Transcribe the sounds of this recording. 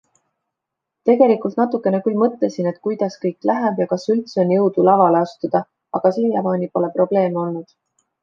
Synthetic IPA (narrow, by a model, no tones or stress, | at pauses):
t̪e̞ɡ̥e̞likːˑult̪nɑt̪ːˑukːˑe̞nekylmɤt̪le̞sine̞t̪ːˑkujd̪̥ɑskɤjkːˑlæɦeb̥jɑkɑsylt̪seonjɤwd̪̥ulɑvɑleɑst̪ud̪̥ɑ | ɑɡ̥ɑsiljɑmɑːnʲipo̞le̞pro̞b̥le̞ːmeo̞lnud̪̥